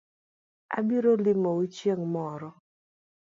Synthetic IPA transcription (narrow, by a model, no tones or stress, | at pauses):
a̰biɾolɪmowit͡ʃjeŋmɔɾɔ